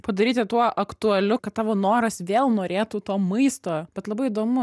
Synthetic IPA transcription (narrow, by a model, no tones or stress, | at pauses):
pɐd̪ɐɾʲiːt̪ʲɪt̪uɔʔɐkt̪ʊɐlʲʊkɐt̪̚t̪ɑːʋoːnoːɾɐsʋʲeːlˠnoːɾʲeːt̪uːt̪oːmɐɪst̪oːbʲɛt̪lˠɐbɐɪɪd̪oːmʊ